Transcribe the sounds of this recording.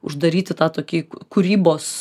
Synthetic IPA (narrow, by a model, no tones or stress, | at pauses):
ʊ̰ʒd̪ɐɾʲiːt̪ʲɪt̪ɑːt̪oːkʲikʊɾʲiːboːs